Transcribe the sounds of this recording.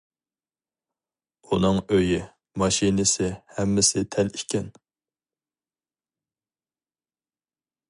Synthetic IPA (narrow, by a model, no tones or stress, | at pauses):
unɨŋøji | mɑʃinɪsɪhɛmːɪsɪt̪ʰɛlikʲɛn